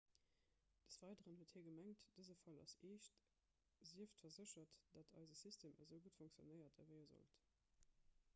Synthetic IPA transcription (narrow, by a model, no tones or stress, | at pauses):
d̥əsv̥ɑɪdəʁənhuətʰhiːɐɡəmæŋtd̥əzəfɑlɑ̰seːɕt | ziəftfɐzəɕɐtd̥ɑtʰɑ̰ɪzəsistʰeːməzəʊɡutfoŋkt͡sjo̰nəɪɐtʰɛveɪəzo̰lt